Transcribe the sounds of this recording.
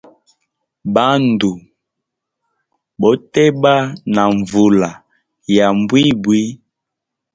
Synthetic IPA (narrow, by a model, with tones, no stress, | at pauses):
ba˦ndu˨ | bɔ˨˦tɛ˦ba˦na˨ɱ˨vu˨la˨ | ja˨mbwi˦bwi˦